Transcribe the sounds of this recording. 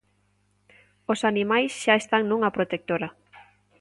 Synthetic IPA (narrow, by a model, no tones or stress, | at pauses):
osanimajsʃaest̪aŋnũŋɐpɾot̪ek̚t̪oɾɐ